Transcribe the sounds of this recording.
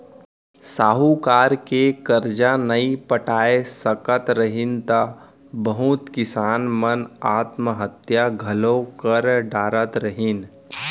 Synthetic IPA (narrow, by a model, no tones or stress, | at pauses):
saːɦukaːɾkekɐɾd͡ʒanɐipɐʈaːesɐkət̪ɾɐɦɪnt̪a | bəɦʊt̪kɪsaːnmɐnaːt̪məɦət̪jaɡʱɐlõkɐɾɖaːɾət̪ɾɐɦɪn